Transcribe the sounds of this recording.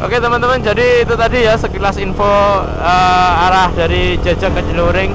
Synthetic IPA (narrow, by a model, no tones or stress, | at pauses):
ʔo̰ket̪əmənt̪əmənd͡ʒadiːt̪ut̪adijasəkilasinfo | əaɾahdaɾid͡ʒad͡ʒakːəd͡ʒəluɾɪŋ